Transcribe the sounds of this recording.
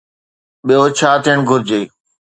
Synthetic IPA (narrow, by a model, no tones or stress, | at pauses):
ɓijot͡ɕʰaːt̪ʰiːəɽ̃ɡʱʊɾd͡ʑeː